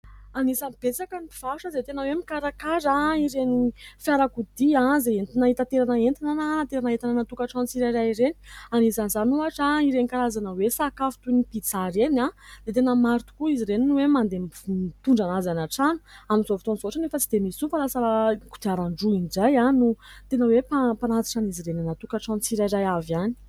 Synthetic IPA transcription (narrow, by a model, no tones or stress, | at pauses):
anisamb̥et͡sakanipi̥v̥aʂəzet̪enawemikaɾakazaiɾenifjaɾakud̪iãzeent̪inaɦit̪at̪eɾanaent̪inanat̪eɾanaɦet̪ananat̪ukaʈ͡ʂanut͡siɾaɾaiɾeni̥anisanizanuaʈ͡ʂaiɾenikaɾazanəwesakafu̥t̪unipit͡saɾenãd̪̥et̪enəmaɾt̪u̥kuiziɾeninuwemand̪emt̪uɳɖ͡ʐanazanaʈ͡ʂanu̥aminzofit̪onzoaʈ͡ʂanefət͡sid̪emisunfalasaku̥d̪̥iaɾaɳɖ͡ʐuinid͡ʒajanut̪enəwepapanat͡s̪i̥ʈ͡ʂaniziɾenanat̪ukaʈ͡ʂant͡siɾajɾajavjani̥